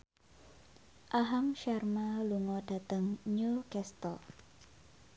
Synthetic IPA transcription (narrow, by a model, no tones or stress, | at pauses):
ʔaɦaŋʃɛrmaluŋɔd̥a̤t̪əŋɲukɛst̪ɔ